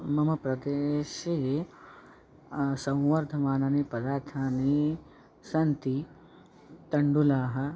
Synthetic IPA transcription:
mɐmɐpɾɐd̪eːʃe | sɐ̃w̃wəɾd̪ʱɐmaːnaːnepɐd̪aːɾt̪ʰaːne | sɐnt̪i | t̪ɐɳɖulaːɦɐ

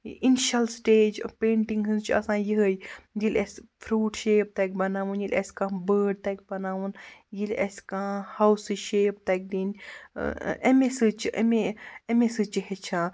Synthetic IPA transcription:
inʃɐlsʈeːd͡ʒpẽːɳʈiŋɡɦɨnt͡ʃʰɐ̰sãːjiɦəjd͡ʒilʲespʰɾuːʈʃeːp̚t̪ak̚ʲbɐnaːʋunjilʲʔɐ̰sʲkãːbəːɖ̚t̪ɐk̚ʲbɐnaːʋunjilɐ̰skãhawsɨʃeːp̚t̪ak̚d̪in̰ | emesɨt͡ʃʰḛmeemesɨt͡ʃiɦet͡ʃʰãː

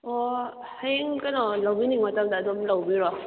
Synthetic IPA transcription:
ɔ | heŋkanɔlawbiniŋmatamdaːdɔmlawbiɾɔ

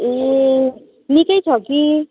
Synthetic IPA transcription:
e | nikʌjt͡sʰʌki

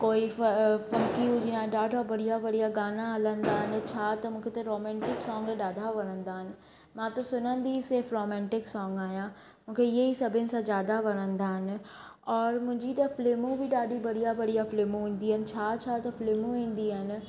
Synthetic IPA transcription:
koːifɐŋkiud͡ʒiːnãɗaːʈɔːbɐɽijabɐɽijaɡaːnaɦɐlə̃nd̪aːɦɪnɪ̆t͡ɕʰat̪ɐmũːkʰet̪ɐɾoːmɛ̃ːɳʈɪksɔ̃ːŋɡɗaːd̪ʱaʋɐɽ̃ə̃nd̪aːɦɪnɪ̆ | mãːt̪ɐsʊnə̃nd̪iseːfɾoːmɛ̃ːɳʈɪksɔ̃ːŋɡaːjã | mũːkʰeɪjeisɐbʱɪnɪ̆sãzjaːd̪aʋɐɽə̃nd̪aɦɪnɪ̆ɔːɾmʊ̃ɦɲd͡ʑit̪ɐfleːmũbʱiɗaːɗibɐɽijabɐɽijafleːmũɦĩːn̆d̪iɪnɪ̆t͡ɕʰat͡ʃʰat̪ɐfleːmũɦĩːnd̪iaɦɪnɪ̆

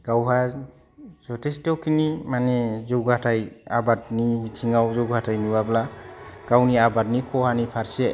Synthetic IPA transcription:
ɡ̥awɦa | zɔtʰestɔwkʰinimanɛzɔɡatʰajabatnibit͡ʃʰiŋɡawzɔɡatʰajnubablaɡ̥awniabat̚nikʰɔhanipʰaɾsɛ

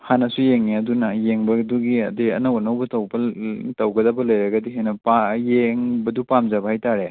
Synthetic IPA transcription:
hanɐsujeŋːiɐdunɐjeŋbɐduɡiɐdiɐ̰nɐwanɐwbɐtɐwbɐtɐwɡɐdɐbɐlɐjɾɐɡɐdiɦenɐpajeŋbɐdupamzabɐhajtaɾe

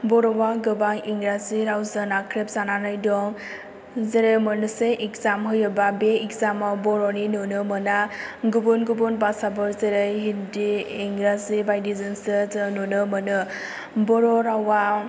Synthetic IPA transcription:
bɔɾɔwaɡɯbaŋiŋɡɾaziɾawzɯnakʰɾep̚zananɯjdɔŋ | zeɾemɯnɯseʔikzamɦɯjɯbabeikzamawbɔɾɔninɯnɯmɯnaɡubɯnɡubɔnbasabɯɾzeɾejɦindiiŋɡɾazibajdizɯnsɯznɯnɯmɯnɯ | bɔɾɔɾawa

